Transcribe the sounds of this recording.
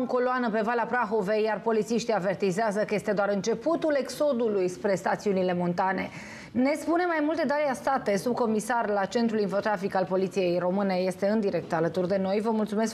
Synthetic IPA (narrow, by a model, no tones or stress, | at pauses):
ŋko̞loanəpe̞valapɾaxo̞ve̞jarpo̞lit̪siʃt̪iave̞rt̪izeazəkəje̞st̪e̞d̪oaɾɨnt͡ʃe̞put̪ule̞kso̞d̪ulujspɾe̞st̪at̪siunile̞mont̪ane̞ | ne̞spune̞majmult̪e̞d̪aɾeast̪at̪e̞sub̚ko̞misarlat͡ʃe̞nt̪ɾulinfo̞t̪ɾafikalpo̞lit̪sije̞jro̞mɨne̞je̞st̪e̞ɨnd̪iɾe̞k̚t̪alət̪urd̪e̞no̞jvəmult̪sume̞sk